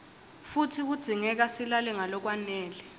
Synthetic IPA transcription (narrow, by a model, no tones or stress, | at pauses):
futʰik̬ud̥z̥ʱiŋɛk̬asilalɛŋalɔk̬wanɛːlɛ